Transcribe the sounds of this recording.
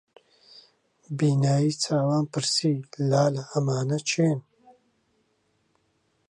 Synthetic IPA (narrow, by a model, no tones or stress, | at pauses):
biːnaːjiːt͡sʰaːwaːnpɨɾsiːlaːlɐɐmaːnɐt͡ʃʰeːn